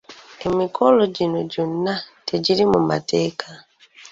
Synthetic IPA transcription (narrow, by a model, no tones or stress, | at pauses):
emikʰoloɟinoɟunːateɟiɾimuma̰teːkʰa